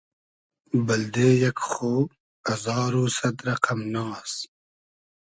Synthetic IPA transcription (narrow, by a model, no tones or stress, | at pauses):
bɐld̪eːjɐkχoː | ɐzɑːɾuːsɐt̪ɾɐqʰɐmnɑːs